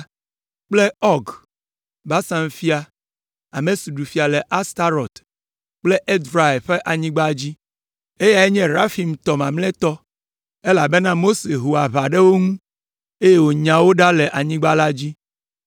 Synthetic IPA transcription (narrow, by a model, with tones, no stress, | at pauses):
k͡ple˦ɔ˦ɡ | ba˦sã˦m˦fi˦a˨ | a̰˨mẽ˨su˨ɖu˨fi˨˦a˨le˨ʔa˦st̪a˦ɾɔ˨t̪ | k͡ple˦ʔe˦d̪ɾa˨e˨ɸe˦ʔa˨ɲĩ˦ɡ͡ba˦d͡ʑi˦ | e˦ja˨ɛ˦ɲɛ̃˦ɾa˦fi˨m˨t̪ɔ˨mã˨mlɛ̃˦t̪ɔ˦ | e˦la˨be˦nã˦mo˦se˨ɦu˨a˨βa˨ɖe˦wo˦ŋũ˦ | e˦je˦wo˨ɲã˨wo˦ɖa˦le˨ʔa˨ɲĩ˦ɡ͡ba˦la˦d͡ʑi˦